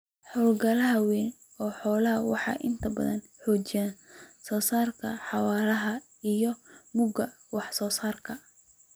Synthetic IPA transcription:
ħɔːlɡɐlɐɦɐwɛːn | ɔːħɔːlɐɦɐwɑħɑ̰ːʔɪnt̪ʰɐbɐ̰ðɐ̰n | ħɔːt͡ʃɪjaːnsɔːsaːrkʰɐ̰ħɑwaːɾɐɦɐ | ijɔmʊɡɐ | wɑħsɔːsaːrkʰɐ

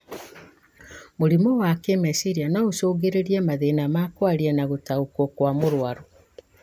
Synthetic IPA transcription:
moɾimɔwakemɛsiɾianaosoːɣeɾeɾiɛmaðenamakwaɾiɛnaɣotaukwokwamoɾwaɾo

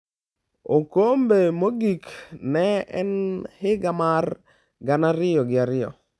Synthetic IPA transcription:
okombemoɡiknɛɛnhɪɡamar | ɡanaɾɪjɔɡɪaɾɪjɔ̰

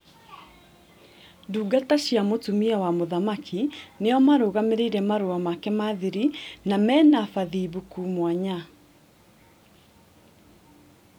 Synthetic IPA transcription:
duːɡataɕjamotumiawamoðamakʰineɔmaɾoːɣameɾeiɾɛmaɾoamakɛmaðeɾinamɛːnafaðiːβukuːmwaɲa

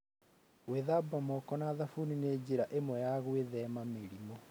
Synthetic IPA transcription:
weðabamɔkɔnaðafunined͡ʑeɾaʔemwɛjaɣweðɛmameɾimo

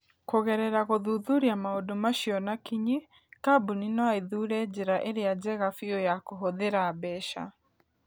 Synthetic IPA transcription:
koɣɛɾɛɾaɣoðuðuɾiamaodomaʃiɔnakiɲi | kabuninɔaeðuɾɛd͡ʑeɾaʔeɾead͡ʑɛɣafiojakoɦoðeɾaːbɛʃa̰

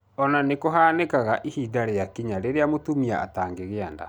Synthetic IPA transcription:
ɔnanekoɦaːnekaɣaʔihidaɾejakiɲaɾeɾeamotumiaa̰taːŋɡeɣeanda̰

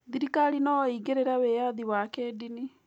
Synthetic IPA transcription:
ðiɾikaɾinɔiɡeɾeɾawejaðiwakeːdini

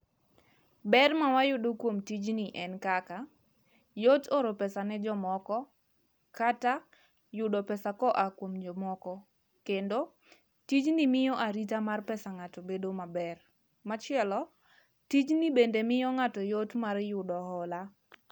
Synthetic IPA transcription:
bɛrmawajʊdokwomtid͡ʒniʔɛnkaka | jotoɾopɛsanɛd͡ʒɔmɔkɔ | kata | jʊdɔpɛsakɔʔakwomd͡ʒɔmɔkɔ | kendo | tit͡ʃnimɪjɔʔaɾit̬amarpɛsaŋatɔbedomabɛr | mat͡ʃɪɛlɔ | tit͡ʃnibendemɪjɔŋatɔjotmarjʊdɔhɔla

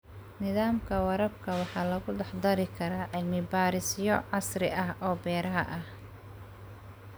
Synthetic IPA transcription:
nɪðaːmkʰɐwɑɾɐbkʰɐwɑħɑːlɐɣʊɖɑħd̪ɐɾɪkʰɐɾaːʕɪlmɪbaːɾɪsjɔʕɑsrɪʔɐɦʔɔːbɛːɾɐɦɐ̰ʔɐh

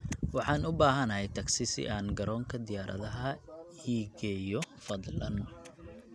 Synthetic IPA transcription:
wɑħɑːnʊbaːɦɐnɐhɛjt̪ʰɐksɪsɪ̰ʔaːnɡɐɾɔːŋkʰɐd̪ɪjaːɾʔɐ̰ðɐɦɐhiːɡɛːjɔfɐd̪lɐn

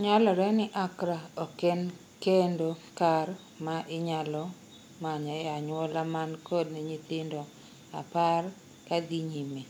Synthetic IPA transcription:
ɲalɔɾɛnɪʔakɾaoken | kendokar | maʔɪɲalɔ | maɲɔjaɲwɔlamankod̚nɛɲit̪ɪndɔ | a̰par | kadiɲime

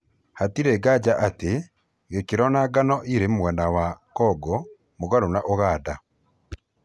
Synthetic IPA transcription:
hatiɾeɡaɟaʔate | ɣekiɾɔnaɡanɔʔiɾemwɛnawakɔɡɔ | moɣaɾonaʔoɣaːda

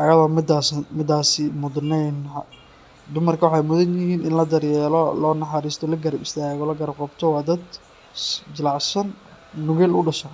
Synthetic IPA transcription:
ʔɐjɐðɔːmɪd̪asmɪd̪aːsɪmʊd̪nɛjn | d̪ʊmɐrkʰɐwɑħɑjmʊðɐnjɪɦiːnɪnlɐd̪ɐɾjɛːlɔlɔːnɐħɑɾiːst̪ʰɔlɐɡɐɾɐbɪst̪ʰaːɣɔlɐɡɐɾɐbqɑbt̪ʰɔwɑːd̪ɐd̪ | d͡ʒɪlɑʕsɐnː | ʊɣɛːlʊɖɐʃɐ

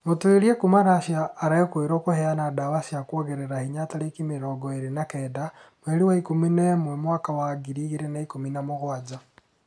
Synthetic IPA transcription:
motweɾiekumaɾaʃjaːɾaekwoeɾokohɛanadawasiakwoɣeɾeɾahiɲataɾekimeɾɔːɡɔeɾenakɛːdamwɛɾiwaikominaemwɛmwakawaɡiɾiɣeɾenaikominamoɣwad͡ʑa

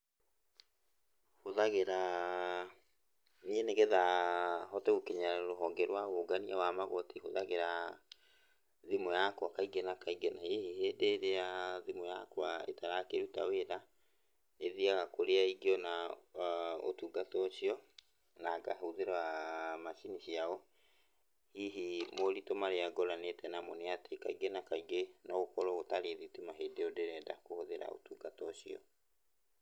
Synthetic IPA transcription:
hoðaɣeɾa | niɛneɣeðaɦɔtɛokeɲaɾɾoɦɔːŋɡɛɾwaɣoɡaniawamaɣotihoðaɣeɾa | ðimɔjakwakaiɡɛnakaiɡenaeheheːdeːɾeaðimɔja̰kwaḛtaɾakeɾutaweɾa | neðiaɣakoɾeaiɡeɔna | o̰tuɡatɔɕiɔ | naːɡa̰ɦoðeɾamaʃiniɕiaɔ | hiɦimoɾitomaɾeaɡɔɾanetɛnamɔneatekaiɡenakaiɡenɔokɔɾɔɣotaɾeðitimaɦedeodeɾɛda̰kohoðeɾa̰o̰tuɡatɔɕiɔ̰

